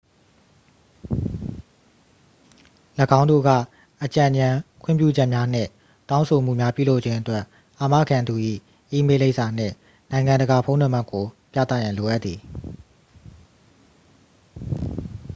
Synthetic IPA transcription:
lə˨ɡã˦ʊ̃ndo̰˦˨ɡä̰˦˨ | ʔət͡ɕã˨ɲã˨kʰw̥̃ɪ̰̃˦˨pjṵ˦˨d͡ʑɛ˦ʔmja˦n̥ɪ̰̃˦˨ | tã˦ʊ̃sʰo˨m̥ṵ˦˨mja˦pjṵ˦˨lo˦ʔt͡ɕʰɪ̃˦ʔətwɛ˦ʔ | ʔa˨mä̰˦˨ɡã˨nd̪u˨ʔḭ˦˨ | ʔi˦me˦le˦ɪʔsa˨n̥ɪ̰̃˦˨ | nã˨ɪ̃ŋã˨ndə˨ɡa˨pʰõ˦ʊ̃nə̃˦˨m̥a˦˨kːo˨pja̰˦˨t̪ä̰˦˨jã˨lo˨ʔa˦t̪t̪ːði˨

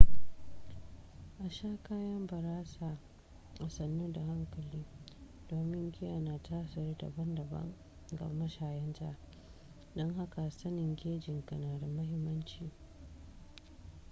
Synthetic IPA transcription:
ʔa˨ʃaː˦kaː˦jɐ˦mbɐ˨ɾaː˦saː˨ | ʔa˨sɐ˨nːuː˦da˨ɦa˦ŋkɐ˨liː˦ | d̥oː˨mɪ˦ŋɡʲɪ˦jaː˨naː˨taː˦sɪ˨rda̰˨bɐ˦ndɐ˨bɐ̰˦ŋ | ɡɐ̰˨mɐ˦ʃaː˨jɛ˦nta̰ː˦ | dɔ˦ŋɦa˦ka˨sɐ˦nɪ˨ŋɡʲeː˦d͡ʒɪ˨ŋkɐ˨naː˨da˨mɐ˦ɦɪ˦mːɐ˦nt͡ʃiː˨

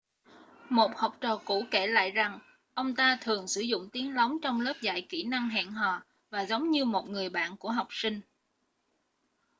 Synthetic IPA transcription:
mo˨˩t̚ha˨˩wk͡p̚t͡ɕəː˧˨˩kṵ˧˥ke˧˩la̰ː˧˨jza˨˩ŋ | ʔə˧wŋ͡mt̪aː˧t̪ʰɨ˨˩əŋsɨ˧˩zʊ̰˧˨ŋ͡mt̪i˨˦əŋlə˨˦wŋ͡mt͡ɕɔ˧wŋ͡mləː˦˥p̚za̰ː˧˨jki˧˩na˧ŋɦa̰ː˧˨nɦɔː˨˩ | vaː˨˩zə˨˦wŋ͡mɲɨ˧mo˨˩t̚ŋɨ˨˩əjɓa̰ː˧˨nku˧˩əɦa˨˩wk͡p̚sï˧ŋ̟

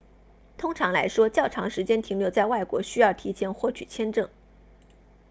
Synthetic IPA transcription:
t̪ʰʊ˥ŋʈ͡ʂʰɑ˧˥ŋla̰˧˥ɪʂwɔ˥t͡ɕjɑ˥˩ʊʈ͡ʂʰɑ˧˥ŋʂɻ̩˧˥t͡ɕjɛ˥nt̪ʰi˧˥ŋljo˧˩ʊt͡sa˥˧ɪwa˥˩ɪkwɔ̰˧˥ɕy˥jɑ˥˩ʊt̪ʰi˧˥t͡ɕʰjɛ˥nxwɔ˥˩t͡ɕʰy̰˨˩t͡ɕʰjɛ˥nʈ͡ʂɤ˥˩ŋ

